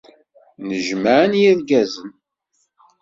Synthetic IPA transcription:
nəʒməʕənjiɾɡæzən

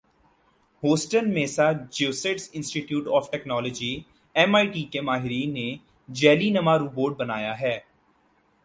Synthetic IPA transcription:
ɦoːsʈənmẽːsad͡ʒeːseʈsɪ̃nsʈiʈjuːʈɔːfʈɛknɔːləd͡ʒiː | ɛmaːiʈiːkemaːɦɪɾiːnːe | d͡ʒɛːlinɐmaɾuːboːʈ̚bənaːjaɦɛː

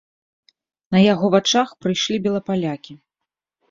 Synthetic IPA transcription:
nɐjaɣɔvat͡ʂaxpɾɨjʂlʲibʲɛlˠɐpalʲakʲi

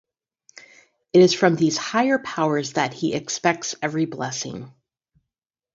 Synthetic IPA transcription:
ɨɾɨz̥fɹʌ̃mðiz̥haɪə˞pʰaʊə˞zðɨt̚hiʔɨkspɛk̚tsɛvɹiblɛsɪ̰̃ŋ

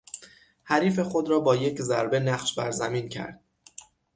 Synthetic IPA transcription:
hæɾiːfe̞xod̪ɾɒːbɒːje̞cʰzæɾbe̞næɢʃbæ̰ɾzæmincʰæ̰ɾd̪̥̚

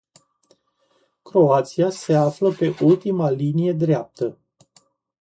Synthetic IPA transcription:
kɾo̞at̪siase̞afləpe̞ʔult̪imalinije̞d̪ɾeap̚t̪ə

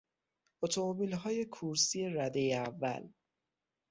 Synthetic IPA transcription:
ot̪ʰo̞mobiːlɦɒːje̞kʰuɾsiːe̞ɾæd̪ejeævːæ̰l

